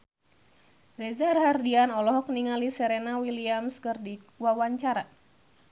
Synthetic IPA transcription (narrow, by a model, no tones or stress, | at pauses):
rɛzarɦardianɔlɔɦɔk̚niŋalisɛɾɛnawiliamskərdiwawaɲt͡ʃaɾa